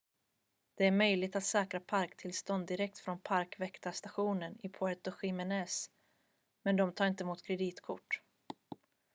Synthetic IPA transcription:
d̪̥ɛæɾmœjlɪɡ̚t̪at̪sɛːkɾapʰaɾkt̪ʰɪlst̪ɔnd̪ɪɾɛk̚t̪fɾɔnpʰaɾkvɛkt̪ast̪aɧuːnənɪpʰɔɛt̪ɔɧɪmɛnɛːs | mɛnd̪ɔmt̪ʰɑːɾɪnt̪əmuːt̪kʰɾɛd̪iːt̪kʰʊ̰ʈː

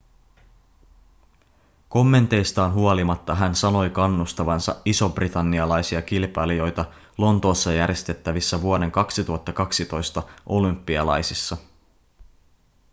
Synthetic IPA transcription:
ko̞mːe̞nt̪e̞jst̪ɑːnɦuolimɑt̪ːɑɦænsɑno̞jkɑnːust̪ɑʋɑnsɑ̰iso̞brit̪ɑnːiɑlɑjsiɑkilpɑlijo̞jt̪ɑ | lo̞nt̪o̞ːsːɑjæɾje̞st̪e̞t̪ːæʋisːæʋuo̞de̞ŋkɑksit̪uɦɑt̪ːɑkɑksit̪o̞jst̪ɑʔo̞lympːiɑlɑ̰jsisːɑ

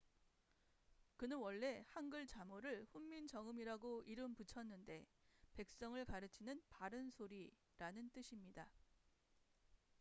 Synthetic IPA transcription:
kɯnɯnwʌɭːe̞hanɡɯɭt͡ɕamoɾɯɭɸumːint͡ɕʌŋɯmiɾaɡoiɾɯmput͡ɕʰʌnːɯnde̞pe̞k̚s͈ʌŋɯɭkaɾɯt͡ɕʰinɯnpaɾɯnsʰoɾi | ɾanɯnt͈ɯɕʰimɲida

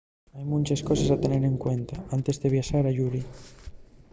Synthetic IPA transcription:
ajmũnʲt͡ʃeskɔsesat̪eneɾeŋkwent̪aant̪ezðeβ̞jaʃaɾaʝuɾi

